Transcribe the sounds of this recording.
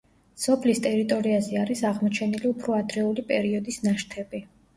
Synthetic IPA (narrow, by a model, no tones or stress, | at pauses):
sɔpʰlist̪ʼɛɾit̪ʼɔɾiazɛaɾisaʁmɔt͡ʃʰɛniliupʰɾɔad̪ɾɛulipʼɛɾiɔd̪isnaʃt̪ʰɛbi